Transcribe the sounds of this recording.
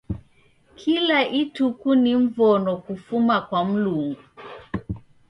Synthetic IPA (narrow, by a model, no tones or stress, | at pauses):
kʰilaʔitukuniɱ̩vɔnɔkufumakwam̩luŋɡu